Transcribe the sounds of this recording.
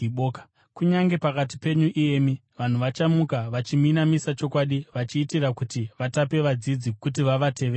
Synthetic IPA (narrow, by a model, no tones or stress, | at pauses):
ɓoːkḁ | kuɲaŋɡe̞pakati̥pe̞ɲuʔijeːmi | ʋan̤uʋat͡ʃamukaʋat͡ʃiminamisat͡ʃo̞kwaɗiʋat͡ʃiːtirakutiʋatape̞ʋad͡zid͡zikut̬iʋaʋate̞ʋeː